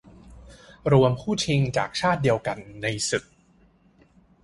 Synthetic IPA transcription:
ɾu˧əmpʰuː˥˩t͡ɕʰi˧ŋt͡ɕa̰ː˨˩k̚t͡ɕʰaː˥˩t̪̚di˧əwka˧nːa˧jsɯ˨˩k̚

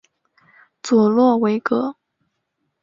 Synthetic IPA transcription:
t͡swɔ˨˩lwɔ˥˩we˧˥ɪkɤ˧˥

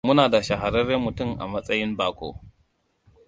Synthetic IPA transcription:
mʊ˦naː˨da˨ʃa˨ɦa˨ɾɐ˦ɾɐ˦mʊ˨tʊ˦˨mʔa̰˨mɐ˦sʼɐ˦jɪ˦mbaː˨kʷo̰ː˦

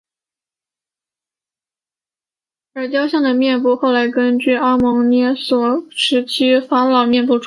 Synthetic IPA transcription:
ə˞˧˥t͡ɕjɑ˥ʊɕjɑ˥˩ŋd̪ə˩mjɛ˥˧npu˥˧xo˥˩ʊla˧˥ɪkə˥nt͡ɕy˥˩ɑ˥mɤ˧˥ŋnjɛ˥swɔ˨˩˦ʂʰɻ̩˧˥t͡ɕʰi˥fa˥lɑ˨˩ʊmjɛ˥˧npu˥˩ʈ͡ʂʰ

